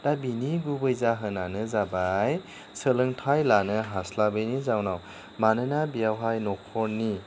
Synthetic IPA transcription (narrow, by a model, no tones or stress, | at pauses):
d̥abiniɡubɯjzaɦɯnanɯzabaj | səlɯŋtʰajlanɯɦaslabɯjnizawnaw | manɯnabijawɦajnɔkʰɔɾni